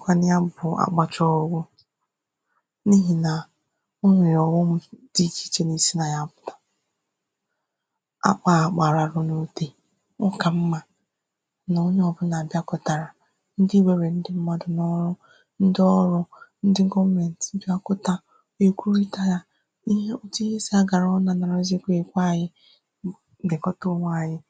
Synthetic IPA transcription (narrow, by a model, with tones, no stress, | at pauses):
kʷa˦nɪ˦a˦bʊ˨a̰˨k͡pa˨t͡ʃɔ˦ɡʷʊ˦ | ni˦ɦi˨na˨ | ʊ˦ɲʷe˨jɔ˨wɔ˦m̩˦d̥i˦t͡ʃi̥˦t͡ʃe˦ne˨si˦na˨ja˦˨pʊ̥˨tḁ˨ | a̰˨k͡pa˦a˨k͡pa˨ɾa˨ɾʊ˦no˦te˦ | ɔ˦ka˨m̩˦ma˦ | na˨o˦ɲ˦ɔ˨bʊ˦na˨bja˦kʊ˦ta˨ɾa˨ | n̩˦di˦we˦ɾe˨n̩˦dɪ˦m̩˦ma˦dʊ˨nɔ˦ɾʊ˦ | n̩˦dɪ˦ɔ˦ɾʊ˦n̩˦dɪ˦ɡɔ˦me˨n˨tn̩˦dɪ˦a˦kʊ˦ta˦ | e˨kʷu˦ɾi˦ta˦ja˦ | i˦ɦe˦o˦ti˦ɦe˦si˦a˦ɡa˨ɾɔ˦na˦˨na˨ɾɔ˦ze˦kʷe˨kʷa˦˨jɪ˦ | bɪ˨kɔ˦to˦ŋa˨ɲɪ˦